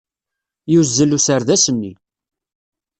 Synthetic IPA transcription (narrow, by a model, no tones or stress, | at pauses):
juzːəlusəɾðæsənːi